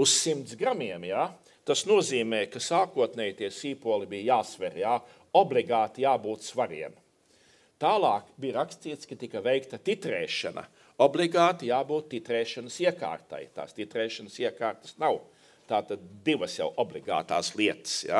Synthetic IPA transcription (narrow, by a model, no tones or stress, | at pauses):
ussimt̪sɡɾamiɛmjaː | t̪asnuɔziːmeːkasaːkuɔt̪nɛjt̪iɛsiːpuɔlˠibiːjjaːsʋɛɾjaː | ɔblˠiɡaːt̪ijaːbuːt̪sʋaɾiɛm | t̪aːlˠɑːkbijɾakst̪iːt̪skɐt̪ikɐʋejkt̪ɐt̪it̪ɾeːʃa̰nɐ̰ | oblˠiɡaːt̪ijaːbuːt̪ːit̪ɾɛːʃɐnəsiɛka̰ːɾt̪a̰jt̪a̰ːst̪it̪ɾɛːʃɐnsiɛkaːɾt̪ə̥snaw | t̪aːt̪ad̪̚d̪iʋəsja̰wʔɔblˠiɡa̰ːt̪a̰ːslˠiɛt̪ə̥sja̰